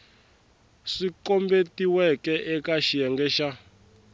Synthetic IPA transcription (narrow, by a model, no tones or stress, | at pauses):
ʂiǃɔmbetiwɛkɛʔɛkaʃijɛŋɡɛʃa